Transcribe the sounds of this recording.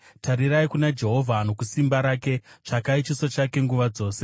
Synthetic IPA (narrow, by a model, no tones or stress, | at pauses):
tʰaɾiɾaikunad͡ʒe̞ɦo̞vʱano̞kusimbaɾaːke̞t͡ʂakait͡ʃisat͡ʃake̞ŋɡuʋad͡zo̞ːse̞̥